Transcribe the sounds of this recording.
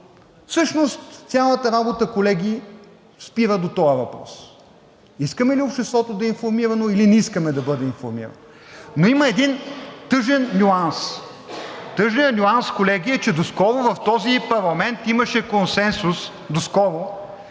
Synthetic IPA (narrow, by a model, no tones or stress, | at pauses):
fsɤʃnost̪sʲjalˠət̪əɾabot̪əkolɛɡʲi | spiɾəd̪ot̪ɔjəvɐpɾɔ̰s | iskəmɛliopʃt̪ɛst̪vɔt̪od̪ɐinfoɾmiɾɐnoilinɛiskəmɛd̪ɐbɤd̪ɛinfo̰ɾmḭɾɐ̰no | noiməɛd̪int̪ɤʒɛnnʲuans | t̪ɤʒnijənʲuanskolɛɡiɛt͡ʃɛd̪oskɔɾʊvɐft̪ɔzipɐɾlˠɐmɛnt̪imɐʃɛkonsɛnsus | d̪oskɔɾʊ